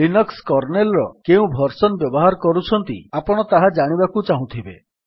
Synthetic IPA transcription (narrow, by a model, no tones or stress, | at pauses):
linɔkskɔɾnelɾɔkeũbʱɔɾsɔnbjɔbɔɦaɾɔkɔɾut͡ʃʰɔnt̪iapɔɽ̃ɔt̪aɦad͡ʒaɽ̃ibakut͡ʃaɦũt̪ʰibe